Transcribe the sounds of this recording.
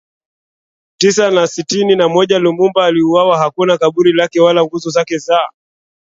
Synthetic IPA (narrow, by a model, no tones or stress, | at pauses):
tisanasitininamɔʄalumumbaːliuwawaɦakunakaɓuɾilakɛwalaŋɡuzɔzakɛza